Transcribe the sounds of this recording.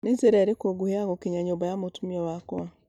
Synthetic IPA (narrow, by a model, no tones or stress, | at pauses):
nezeɾɛɾekoɡuheaɣokeɲaɲombajamotumiɔwakoa